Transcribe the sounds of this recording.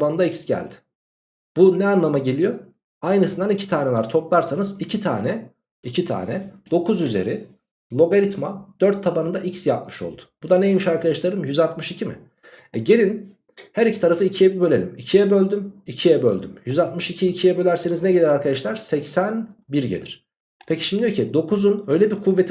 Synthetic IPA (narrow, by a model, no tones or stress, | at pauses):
banɯnd̪aicsɟæ̰lʲd̪ɪ̥ | b̥unɛanlˠamaɟe̞lʲijo̞ | ajnɯsɯnd̪anicʰit̪ʰaːnɛvˠaɾt̪ʰo̞plˠaɾsanɯzicʰit̪ʰa̰ːnɛ | icʰit̪ʰa̰ːnɛd̪o̞kʰuzyze̞̰ɾi | lˠo̞ɡaɾit̪ma̰d̪̥øɾt̪ʰːabanɯnd̪aʔicsjap̚mɯ̥ʃo̞̰lˠd̪ʊ̥b̥ud̪anejemiʃaɾkʰad̪aʃlˠaɾɯmjyzat̪mɯʃicʰimɪ̰ | ɛɟe̞lʲin | hæɾicʰi̥t̪ʰaɾafɯicʰijɛbibø̞lʲelʲḭmicʰijɛbø̞lʲd̪ymicʰijɛbø̰lʲd̪ymjyzat̪mɯʃicʰiːcʰijɛbø̞lʲæɾseniznɛɟelʲɛɾaɾkʰad̪aʃlˠaɾsɛcsænbiɾɟed̪ʲḭɾ̥ | pʰeciʃimd̪ijocʰid̪o̞kʰuzunø̞jlʲebiɾkʰuvːet̪ʰ